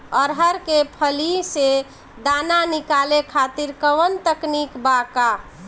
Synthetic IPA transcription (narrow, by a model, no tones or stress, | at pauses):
əɾɦəɾkepʰəlise | d̪ananikalekʰat̪iɾkəʋənt̪əknikbaka